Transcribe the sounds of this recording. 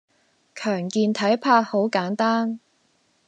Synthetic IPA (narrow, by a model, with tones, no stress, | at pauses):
kʰœː˨˩ŋkiː˧nt̪ʰɐ˨˥jpʰaː˧k̚ho˨˥wkaː˨˥nt̪aː˥n